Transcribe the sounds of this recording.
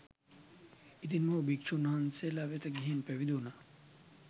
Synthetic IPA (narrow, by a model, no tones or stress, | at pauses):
it̪inmobik̚t͡ʃʰunɐɦɐnselaʋet̪ɐɡiɦenpeʋid̪una